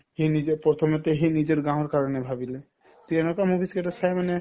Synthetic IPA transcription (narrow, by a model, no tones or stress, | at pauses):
hinid͡ʒepɾɔt̪ʰɔmet̪eɦinid͡ʒeɾɡãɦoɾkaɾɔnebʱabile | t̪ienɔkamubʱiskeʈasʰajmane